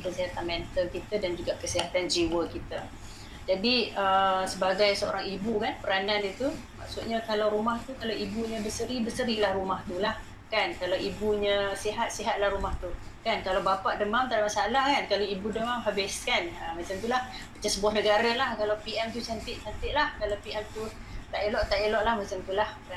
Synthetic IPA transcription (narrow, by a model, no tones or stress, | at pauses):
kəsiɦat̪anmɛnt̪əlkit̪ədand͡ʒuɡaʔkəsiɦat̪and͡ʒiwəkit̪ə | d͡ʒadiəsəbaɡajsəo̰ɾaŋibukanpəɾanandit̪uma̰ksut̪̚ɲəkalawɾumaht̪ukalawʔibuɲə̃bəsəɾibəsəɾilahrumaht̪ulah | kankalawibuɲə̃siɦat̪̚siɦat̪̚lahɾumaht̪u | kankalawbapaʔdəmamt̪adamasalahkankalaibudəmamɦabɪskanəmat͡ʃamt̪ulahkat͡ʃasəbuɔhnəɡaɾalahkalawpiɛmt̪usant̪ɪʔsant̪ɪʔlahkalawpiɛmt̪ut̪aʔelɔʔt̪aʔelɔʔlahmat͡ʃamt̪ulahkan